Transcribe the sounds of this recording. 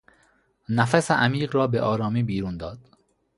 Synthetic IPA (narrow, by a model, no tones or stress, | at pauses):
næfæseʔæmiːɣɾɒːbeʔɒːɾɒːmiːbiːɾund̪ɒːd̪̥